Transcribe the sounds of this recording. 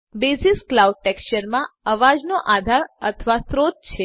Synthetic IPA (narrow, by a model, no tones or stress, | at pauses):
besisklauɖ̚ʈɛkst͡ʃəɾmãəʋad͡ʒnoʔad̪ʱaɾət̪ʰʋasɾot̪̚t͡ʃʰe